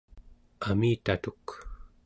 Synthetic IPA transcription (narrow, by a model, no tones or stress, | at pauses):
amiːt̪at̪uk